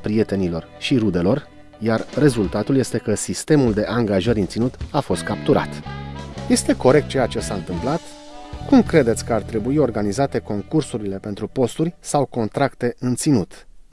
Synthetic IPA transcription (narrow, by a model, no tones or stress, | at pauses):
pɾije̞t̪e̞nilo̞rʃiɾud̪e̞lo̞r | jarːe̞zult̪at̪ulje̞st̪e̞kəsist̪e̞muld̪e̞ʔaŋɡaʒəɾʲɨnt̪sinut̪afo̞st̪̚kap̚t̪uɾʔa̰t̪je̞st̪e̞ko̞ɾe̞k̚t̪̚t͡ʃejat͡ʃe̞saɨnt̪ɨmplat̪ | kumkɾe̞d̪et̪sʲkəart̪ɾe̞buio̞rɡanizat̪e̞ko̞ŋkursuɾile̞pe̞nt̪ɾupo̞st̪urʲsawko̞nt̪ɾakt̪e̞ɨnt̪sinut̪